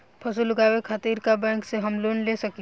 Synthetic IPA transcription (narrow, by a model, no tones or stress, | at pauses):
pʰɐsulʊɡaːwekʰat̪iːɾkabɛ̃ːŋkseɦɐmloːnlesɐki